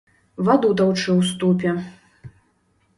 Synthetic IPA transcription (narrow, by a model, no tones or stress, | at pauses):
vad̪ud̪awt͡ʂɨwst̪upʲɛ